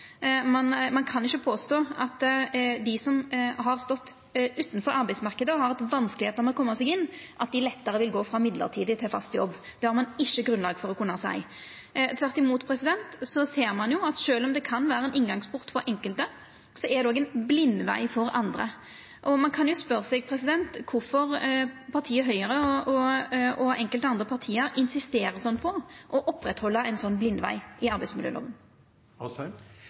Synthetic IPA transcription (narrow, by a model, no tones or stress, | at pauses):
mɑnmɑnkʰɑnɪçːəpʰoːst̪oːɑt̪d̪ɪsɔmɦɑɾst̪ɔt̪ː | ʉːt̪nfɔɾɑɾbæɪsmɑʁkəd̪əhɑɾɛt̪ʋɑnskəlɪheːt̪əmɛlkɔmːəsɛɡɪnːʔɑt̪̚d̪ɪlɛt̪ːəɾəʋɪlɡoːfɾɑmɪd̪lə̰ɾt̪ʰiːd̪ət̪ʰɪlfɑ̰st̪jɔ̰bːd̪̥ɛhɑɾmɑnɪçːəɡɾʉnlɑːɡfɔɾɔkʰʊnːɑsæ̰ɪ | t̪ʰʋæɾt̪ɪmuːt̪pʰɾɛsɪd̪ɛnt̪sɔseːɾmɑnjʊɑt̪ʃøːlɔmd̪ɛkʰɑnʋæːɾəɛnɪŋɡɑŋspʰʊʁt̪fɔɾʔɛŋkəlt̪ə | sɔʔɛd̪ɛoːɡɛɪnblɪnːʋæ̰ɪfɔɾɑ̰nd̪ɾə̰ | ʔɔmɑnkʰɑnjʊspœɾsɛɡ̚pʰɾɛsɪd̪ɛnt̪kʰʊɾfɔɾpʰɑɾt̪ʰiːəɦœʏəɾəɔɔɔɛŋkəlt̪əɑnd̪ɾəpʰɑʁt̪ʰiːəɾɪnsɪst̪eːɾəsɔnːpʰɔʔɔʔɔpːɾɛt̪hɔlːəɛɪnsɔnːblɪnd̪ʋæ̰ɪʔɪɑɾbæɪsmɪljø̰ːlo̰ːʋən